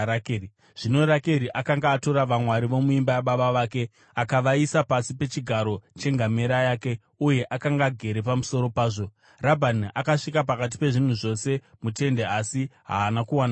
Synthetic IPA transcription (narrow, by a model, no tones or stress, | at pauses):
kːi | ʐ̥ino̞ɾake̞ɾiʔakaŋɡaːto̞ɾaʋamwaɾiʋo̞muimbajaɓaɓaʋaːke̞ | akaʋaisapasipe̞t͡ʃiɡʱaɾo̞t͡ʃe̞ŋɡame̞ɾajaːke̞ | uje̞ʔakaŋɡaɡʱe̞ɾe̞pamuso̞ɾo̞paːʐo̞ | rabʱanakaʂikap̬akat̬i̥pe̞ʐin̤uʐo̞se̞mute̞nde̞asiɦa̰ːnakuwana